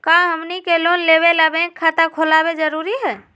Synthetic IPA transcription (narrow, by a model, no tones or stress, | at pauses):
kaɦəmnikelonleβelabẽkʰat̪akʰolaːbed͡ʒəɾuɾiɦɛː